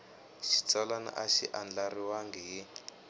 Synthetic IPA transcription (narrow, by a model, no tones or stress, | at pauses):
ʃi̥t͡salana̰ʔaʃḭʔand͡ɮariwaŋɡiɦi